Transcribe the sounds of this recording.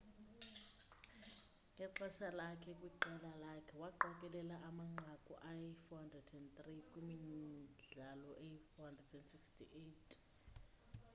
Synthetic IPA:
ɛǃɛʃalakʰɛkʼwiǃɛlalakʰɛwaǃɔkʼɛlɛlaʔamaŋ͡ǃʱakʼṵʔajifɔhandrɛdɛndt̪rikʼumiɮalɔʔejifɔhandrɛdɛndsikstʰiʔetʰ

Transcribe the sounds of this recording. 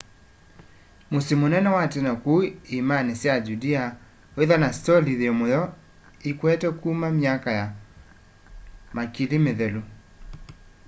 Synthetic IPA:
mosimonɛnɛwatenakuimanesjad͡ʒudia | oeðanastɔliðeomojɔ | ikwɛtɛkuːmamiakaja | makilimeðɛlo

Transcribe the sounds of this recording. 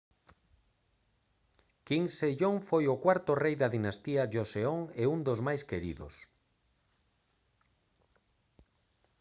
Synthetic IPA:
kiŋseʎoŋfojʊkwaɾt̪ʊrejðaðinast̪iaʒoseoŋeund̪ozmajskeɾḭðo̰s

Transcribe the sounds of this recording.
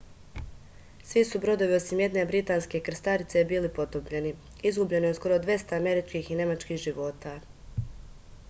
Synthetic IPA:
sʋisubɾo̞d̪o̞ʋio̞simje̞d̪ne̞bɾit̪aːnske̞kr̩st̪aɾit̪se̞biːlipo̞t̪obʎe̞ni | izɡubʎe̞nisko̞ɾod̪ʋje̞st̪aame̞ɾit͡ʃkiːxine̞mat͡ʃkixʒiʋo̞t̪a

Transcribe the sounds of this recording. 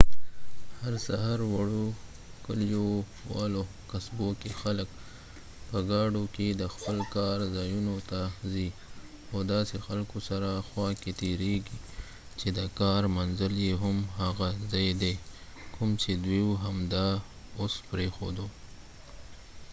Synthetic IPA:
haɾsaɦaɾwaɽo | kəljo | wɑ̰lo | kasbokexalək̚ | pəɡɑɖoked̪əxpəlkɑɾzɑjunot̪azi | awd̪ɑsexalkosaɾaxwɑket̪eɾeɡi | t͡ʃed̪əkɑɾmanzəljeɦʊmɦaɣazɑjd̪e | kʰʊmt͡ʃed̪wiwuɦamd̪ɑ | ospɾexo̰d̪o

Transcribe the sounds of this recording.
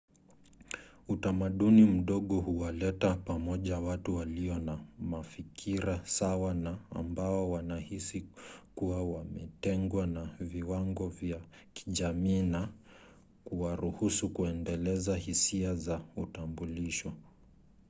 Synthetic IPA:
utamaɗunim̩ɗɔɠɔhuwalɛtapamɔʄawatuwaliɔnamafikʰiɾasawana̰ːmbaɔwanahisikuwawamɛtɛŋɡwanaviwaŋɡɔvja | ki̥ʄamiːna | kuwaɾuhusukuɛndɛlɛzahisiazautambuliʃɔ

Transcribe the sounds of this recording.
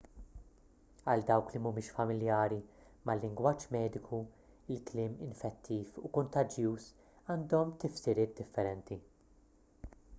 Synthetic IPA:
ɐld̪ɐwklimumɪːʃfɐmɪljɐːɾimɐlːɪŋɡwɐːt͡ʃːmɛːd̪ɪkʰu | ɪlklɪːmɪnfɛt̪ʰːiːfṵkɔnt̪ɐd͡ʒjuːs | ɐːnd̪ɔmt̪ɪfsɪɾɪːt̪̚d̪ɪfːɛɾɛnt̪i

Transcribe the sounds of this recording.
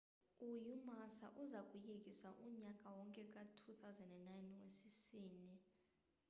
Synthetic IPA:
ujumasa̰ʔuzakʼujek̬ʼisaʔumɲakʼawɔŋkʼɛk̬ʼatʰuθawuzɛndɛnːajnwesisiːni

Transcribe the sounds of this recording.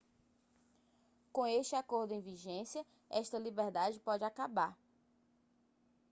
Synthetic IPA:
kõeʃt͡ʃɪakoɾd̪ʊẽj̃viʒẽsjɐ | ɛʃt̪ɐlibɛɾd̪ad͡ʒɪpɔd͡ʒɪakabaɾ

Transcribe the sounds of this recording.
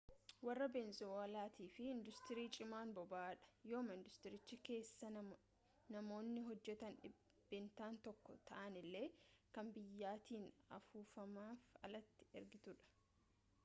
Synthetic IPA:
wɐrːɐbɛnzɔɐlaːt̪ʰiːfɪɪnd̪ʊst̪ɪɾiːt͡ʃʼɪmaːnbɔbaːᶑɐ̥jo̞ːmɐɪnd̪ʊst̪ɪɾɪt͡ʃːɪke̞ːsːɐ | nɐmo̞ːnːɪɦɔd͡ʒːɛt̪ɐnɪ | b̥ɪnt̪aːnt̪ɔkːɔt̪ɐʔɐnɪlːe̞ːkɐmbɪjːaːt̪iːnɐ̰fuːfɐmaːfɐ̰lɐt̪ːɪ̥ɛɾɡɪt̪ʊᶑɐ̥

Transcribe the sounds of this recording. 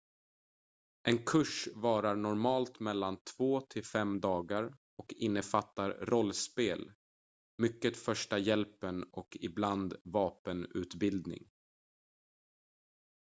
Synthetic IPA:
ʔɛnkʰɵʂvɑːɾaɳɔɾmɑːlt̪mɛlːant̪ʰv̥oːt̪ʰɪlfɛmd̪ɑːɡaɾ | ɔkɪnːəfat̪ːaɾɾɔlːspeːl | mʏkːət̪fœʂʈajɛlpənɔkɪbland̪vɑːpənʉ̟ːt̪bɪld̪nɪ̰ŋ

